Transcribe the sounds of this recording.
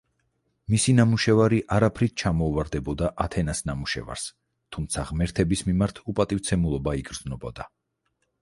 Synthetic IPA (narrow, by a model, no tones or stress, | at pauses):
misinamuʃɛvaɾiʔaɾapʰɾit̪̚t͡ʃʰamɔuvaɾd̪ɛbɔd̪aʔat̪ʰɛnasnamuʃɛ̰va̰ɾs | t̪ʰumt̪sʰaʁmɛɾt̪ʰɛbismimaɾt̪ʰupʼat̪ʼivt̪sʰɛmulˠɔbaiɡɾd̪znɔbɔd̪a